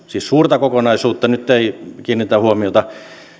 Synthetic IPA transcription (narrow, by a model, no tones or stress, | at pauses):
siːssuːrt̪ɑkokonɑisuːt̪ːɑnyt̪ːeikiːnit̪æhuomiot̪ɑ